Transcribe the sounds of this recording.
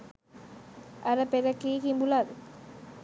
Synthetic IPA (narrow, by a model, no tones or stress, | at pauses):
ʔɐɾəpeɾɐkiːkimbulad̪